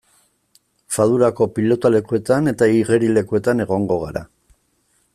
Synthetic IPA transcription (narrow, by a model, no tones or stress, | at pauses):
faðuɾako̞pilo̞t̪ale̞kue̞t̪ane̞t̪aireɾile̞kue̞t̪ane̞ɣ̞o̞ŋɡo̞ɣa̰ɾa̰